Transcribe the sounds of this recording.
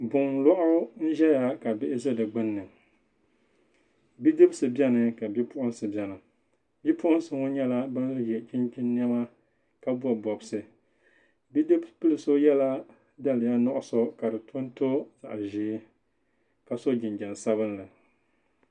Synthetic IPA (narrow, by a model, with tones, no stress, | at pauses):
bʊ˨ŋlɔ˦ʔʊ˦ʊ˦n̩˦ʒɛ˦ja˨ka˨bɪ˦ʔɪ˦zɨ˦dɨ˨ɡ͡bɨ˦nːɨ˨ | bi˦dɨ˦bsɨ˨bɛ˦nɨ˨ka˨bi˦pʊ˦ʔʊ˦n˦sɨ˨bjɛ˨nɨ˨ | bi˦pʊ˦ʔʊ˦n˦sɨ˨ŋo˦ɲɛ˦la˦ba˦n˦lɨ˦jɛ˨t͡ʃi˦nt͡ʃi˦nː˦ɛ˦ma˦ | ka˦bu˦a˨bɔ˨bsɨ˨ | bi˦dɨ˦bpɨ˦lɨ˨so˦jɛ˦la˦ | da˦lɨ˨ja˦nɔ˦ʔʊ˦so˦ka˨dɨ˨tʰo˦n˦to˦za˨ʔʒi˨˦ | ka˨so˦d͡ʒɪ˨nd͡ʒa˨n˨sa˦βɨ˦nlɨ˨